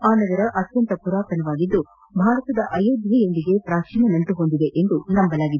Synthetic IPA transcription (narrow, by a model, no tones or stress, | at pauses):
aːnɐɡɐɾɐʔɐt̪jɐnt̪ɐpuɾaːkɐnɐʋaːɡid̪ːu | bʱaːɾɐt̪ɐd̪ɐʔɐjoːd̪jɐjond̪iɡe̞pɾaːkʂinɐnɐnt̪uɦond̪id̪e̞ʔend̪unɐmbɐlaːɡid̪e